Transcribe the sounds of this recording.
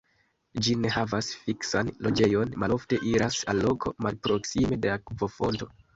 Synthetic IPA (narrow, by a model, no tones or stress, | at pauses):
d͡ʒine̞havasfiksanlo̞d͡ʒe̞jo̞nmalo̞fte̞ʔiɾasalːo̞kʰo̞̰malpɾo̞ksime̞deakvo̞fo̞nto̞